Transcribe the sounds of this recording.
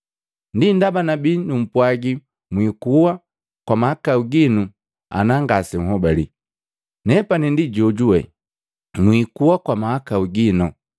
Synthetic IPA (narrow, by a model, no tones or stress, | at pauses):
ndindabanabinum̩pwaɡi | mwikuwa | kwamahakauɡinu | a̰naŋɡasɛŋ̩ɦɔbali | nɛpanindiɟɔɟuɛ | nwikuwakwamahakauɡinɔ